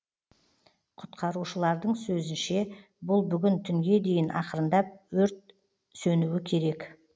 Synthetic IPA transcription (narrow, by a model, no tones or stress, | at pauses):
qʰʊt̪qʰɑɾuʃəlˠɑɾd̪əɴsɵzɪnʃe̞ | bʊlˠbʏɡʲɪnt̪ʰʏŋɡʲe̞d̪e̞jɪnʔɑqəɾənd̪ɑp̚wɵɾt̪̚ | sɵnuwɪkʲʰe̞ɾe̞k